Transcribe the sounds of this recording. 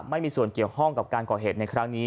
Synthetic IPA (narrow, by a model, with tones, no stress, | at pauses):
ma˥˩jmiː˧su˨˩ənki˨˩əwkʰɔ˥˩ŋka˨˩p̚kaː˧nkɔː˨˩ɦeː˨˩t̪̚na˧jkʰɾa˦˥ŋniː˦˥